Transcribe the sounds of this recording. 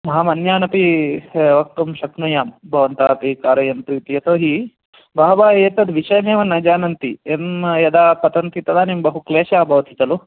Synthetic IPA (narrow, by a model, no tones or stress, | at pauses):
mɐɦamɐnjaːnɐpiʋɐk̚t̪umʃɐknujaːmbʱɐʋɐnt̪aːpikaːɾɐjɐnt̪ɾiːt̪ijɐt̪oːɦi | baːɐʋaːɦeːt̪ɐd̪ʋiʃɐjɐneːʋɐnːɐd͡ʒaːnɐnt̪ienjɐd̪aːpɐt̪ɐnt̪it̪ɐd̪aːnimbɐɦukleːʃaːbʱɐʋɐt̪ʰit̪ɐlu